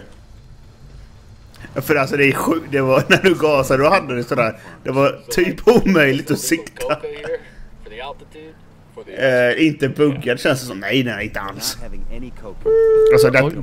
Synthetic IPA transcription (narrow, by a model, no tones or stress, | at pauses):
fœɾalsɔd̪ɛæɧʉ̟ːd̪ɛvaɾnæɖɵɡɑːsad̪əd̪ɔhad̪ːəd̪ɛsɔd̪æːɾd̪ɛvaɾt̪ʰyːpuːmœjlɪɡ̚t̪ɔsɪkt̪ʰːa | ɪnt̪əbɵɡːad̪ɛɕɛnsd̪əsɔmnɛjd̪ɛnæɾɪnt̪əa̰ls | alsɔd̪ɛ